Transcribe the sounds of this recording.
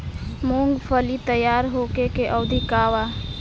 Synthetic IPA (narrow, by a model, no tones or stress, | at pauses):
moŋɡpʰəlit̪əjaːɾɦokekeʔəwd̪ʱikaːwa